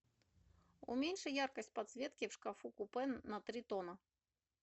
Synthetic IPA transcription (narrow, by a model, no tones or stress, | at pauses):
ṵmʲenʲʂɨjarkəsʲtʲpɐt̪svʲet̪̚kʲɪfʂkafukupɛnːɐt̪ɾʲit̪onə